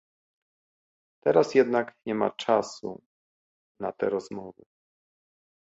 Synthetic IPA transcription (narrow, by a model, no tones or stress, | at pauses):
t̪ɛɾasjɛd̪nakɲɛma̰t͡ʂasṵ | nat̪ɛɾɔzmɔvɘ̰